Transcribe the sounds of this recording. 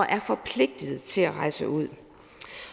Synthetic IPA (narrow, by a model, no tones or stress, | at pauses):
ɐʔæɐfɒ̽pʰle̝ɡ̥̚d̥əð̩ˠt͡sʰe̝læʁɑ̈ɪsəʔuð̰ˠ